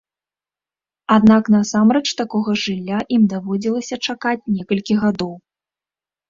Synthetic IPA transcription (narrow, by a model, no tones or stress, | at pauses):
ad̪naknɐsamɾɛt͡ʂt̪akɔɣɐʐɨlʲːaʔimd̪avɔd͡zʲilˠɐsʲɐt͡ʂakat͡sʲnʲɛkɐlʲkʲiɣad̪ɔw